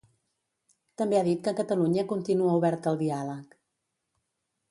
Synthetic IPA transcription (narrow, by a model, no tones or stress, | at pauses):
t̪əmbeaðit̪̚kəkət̪əluɲəkunt̪inuəuβɛɾt̪əlˠd̪ialək